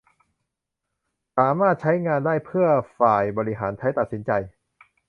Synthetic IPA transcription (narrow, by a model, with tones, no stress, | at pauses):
saː˩˦maː˥˩t̪̚t͡ɕʰa˦˥jŋaː˧ndaː˥˩jpʰɯ˥˩ɐfaː˨˩jbɔː˧ɾi˦˥ɦaː˩˦nt͡ɕʰa˦˥jt̪a˨˩t̪̚si˩˦nt͡ɕa˧j